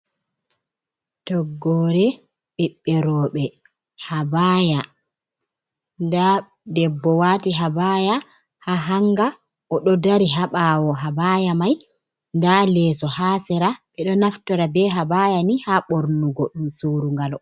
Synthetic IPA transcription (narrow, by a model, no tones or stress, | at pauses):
tɔɡːɔɾɛ | ɓiɓːɛɾɔːɓɛ | habaːja | nda | dɛbːɔwaːtiɦabaja | haɦaŋɡa | ʔɔɗɔdaɾiɦaɓawɔɦabajamaj | ndalɛsɔhaːsɛɾaɓɛɗɔnaftɔɾabɛɦabajanihaɓoɾnuɡɔɗumsoːɾuŋɡalɔ